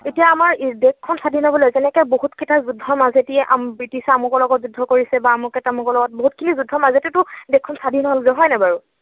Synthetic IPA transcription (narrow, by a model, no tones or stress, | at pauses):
etijaːmaɹdekʰːɔnsadʱinɔbɔlejzɛnɛkɛboɦutketazudʱːɔɹmazetiɛʔambɹitisɛamɔkɔlɔɡɔtzudʱɔkoɹisɛbaːmʊkɛtamɔkɔlɔɡɔt̚boɦutkʰinizudʱːɔɹmazetɛtʊdekʰːɔnsadʱinɔɦolzɛɦɔjnabaɹu